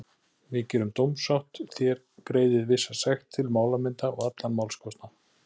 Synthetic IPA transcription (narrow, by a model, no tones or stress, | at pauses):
vɪðcɛːɾʏmt̪owmsawht̪θjɛɾ | kɾeːjðɪðvɪsːasaxt̪ʰːɪlmaːwlamɪnt̪aɔɣat̪lanmaːwlskʰɔwst̪na